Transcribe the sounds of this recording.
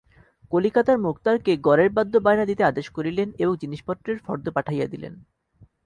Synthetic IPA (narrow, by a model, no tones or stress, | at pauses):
kolikat̪aɾmukt̪aɾkeɡɔɾeɾbad̪ʱːobajnad̪it̪ead̪eʃkoɾileneboŋd͡ʑiniʃpɔt̪ːɾeɾfɔɾd̪opaʈʰajad̪ilḛn